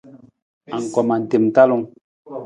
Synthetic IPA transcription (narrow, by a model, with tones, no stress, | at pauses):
a˨ŋ̩˨kɔ˨ma˨n̩˨te˨m˨ta˦lo˦ŋ